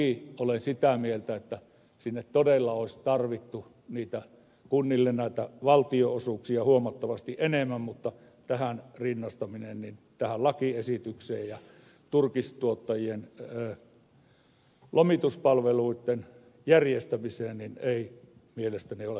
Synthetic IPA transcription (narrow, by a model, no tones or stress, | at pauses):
iolensit̪æmielt̪æet̪ːæ | sinːet̪t̪odelːɑoˑesʲt̪ɑrʋit̪ːu | niːt̪æ | kunːilːennæˑit̪æʋɑlt̪ioosuksiɑhuomɑt̪ːɑʋɑst̪iʔʔenemːæmmut̪ːɑ | t̪æhænrinːɑst̪ɑminennint̪æhællɑkiesit̪ykseːjjɑ | t̪urkist̪uot̪ːɑjienəː | lʔomit̪uspɑlʋeluit̪ːen | jærjest̪æmiseːnnineimielest̪æniole